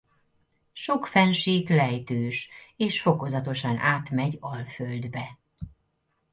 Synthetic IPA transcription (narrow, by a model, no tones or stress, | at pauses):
ʃo̞kfɛnʃiːklɛjt̪øːʃeːʃfo̞ko̞zɒt̪o̞ʃɒnaːt̪mɛɟɒlføld̪bɛ